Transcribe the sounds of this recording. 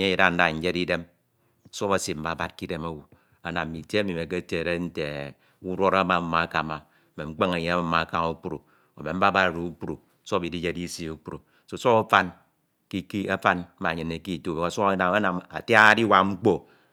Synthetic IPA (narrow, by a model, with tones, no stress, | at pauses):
ɲ˦ji˦˨ɾa˦n̩˦da˨ɲ̩˦d͡ʒe˦di˦de˦m˨ | so˦βa˨si˨m̩˦ba˨ba˦t̚ki˦de˦ma˦wu˨ | a˨na˨m˨mi˨te˦mi˨me˨k̬e˦te˨ɾe˦n̩˦te˨ | u˦ɾo˦ɾa˦ma˦m̩˦ma˨˦ka˨ma˨ | me˨ŋ͡m̩˦k͡pe˦ŋa˨ɲe˦a˦m˦m̩˦ma˨˦˨ka˦ŋu˦k͡pu˦ɾṵ˨ | o˨me˨m̩˦a˦ba˦ɾɾu˨u˦k͡pu˦ɾu˨˦so˦bi˨di˦d͡ʒe˦di˦si˦u˦k͡pu˦ɾu˨so˦˨so˦a˦fa˦n | ki˦ki˦a˦fa˦nm̩˦a˨ɲɨ˨ne˨ki˦˨tu˦˨be˨a˨so˦a˦na˨a˦na˨ma̰˨ta˦di˦wa˨ŋ͡m̩˦k͡po˦